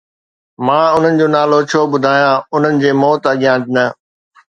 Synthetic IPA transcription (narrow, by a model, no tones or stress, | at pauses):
mãːʊn̤ənɪ̆d͡ʑoːnaːlot͡ɕʰoːɓʊd̪ʱaːjãʊn̤ənɪ̆d͡ʑeːmɔːt̪ɐɠijãːd͡ʑnɐ